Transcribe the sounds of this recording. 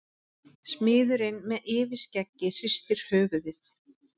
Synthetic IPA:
smɪːðʏɾɪnmɛðɪːvɪ̥scɛcːɪr̥ɪst̪ɪɾ̥hœːvʏðɪθ

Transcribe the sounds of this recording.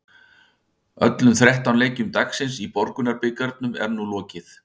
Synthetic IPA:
œ̰t̪lʏmθɾʲɛht̪awnleːjcʏmt̪aksɪnsipɔɾkʏnaɾpɪkaɾt̪̚nʏmɛ̰ɾnulɔːcɪθ

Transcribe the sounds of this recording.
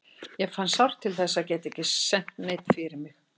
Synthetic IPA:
jɛɣfanːsawɾ̥t̪ʰɪlθɛsːacɛːt̪ɛhcɪsɛn̥t̪nejt̪fɪɾɪɾmɪx

